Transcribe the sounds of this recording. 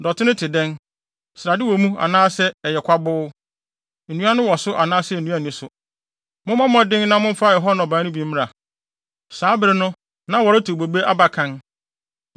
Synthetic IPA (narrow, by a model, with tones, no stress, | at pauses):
dɔ˨tʰɪ˦nʊ̃˦tʰɪ˨dɛ̃˦n | sɾa˨dɪ˦wɔ˨mũ˦a̰˨nãː˦sɛ˦ɛ˨jɛ˨kʷʰa˦bʊ˦˨ | nũ˦a˦nʊ̃˦wɔ˨sʊ˦ʔa˨nãː˦sɛ˦˨n̩˨nũ˦a˦˨nĩ˨˦sʊ˨ | mʊ̃˦mã˦mɔ̃˦dɪ̃˦ŋ˦nã˦mʊ̃˦m̩˦fa˦˨ɛ˨ɦɔ˦ñ˨bãː˨˦nʊ̃˦bĩ˨˦m˦mɪ̃˦a˨ | saː˨˦bɪ˨ɾɪ˦nʊ̃˦ | nã˦wɔ˨ɾɪ˦tʰu˨bo˨be˦ʔa˦ba˨kʰã˦n